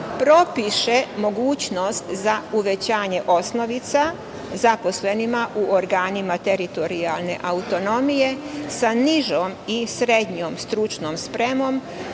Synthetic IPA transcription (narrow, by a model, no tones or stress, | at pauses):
pɾo̞piʃe̞mo̞ɡuːt͡ɕno̞st̪zauʋe̞t͡ɕaːɲe̞ʔo̞sno̞ʋit̪sa | zapo̞sle̞nimaʔuʔoɾɡaːnimat̪e̞ɾit̪o̞ɾialˠne̞̰ʔaut̪o̞no̞mije̞saniʒoːmisɾed̪ɲoːmst̪ɾut͡ʃnomspɾe̞mo̞m